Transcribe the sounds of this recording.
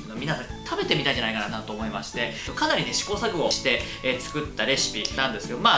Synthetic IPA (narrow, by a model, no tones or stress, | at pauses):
nomʲinasãɲt̪ʰabe̞t̪e̞mit̪aiɲd͡ʑanaikananãnt̪o̞ːmo̞imaɕi̥t̪e̞okanaɾʲine̞ɕi̥ko̞ːsakɯ̟o̞ɕi̥t̪e̞et͡sɨ̥kɯ̟t̪ːaɾe̞ɕi̥pʲinãnd̪e̞sɨ̥ke̞d̪omaː